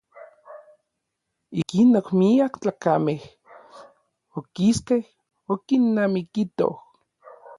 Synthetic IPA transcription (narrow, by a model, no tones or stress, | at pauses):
ikinokmiakt͡ɬakameh | okiskeh | okinːamikit̪o̰h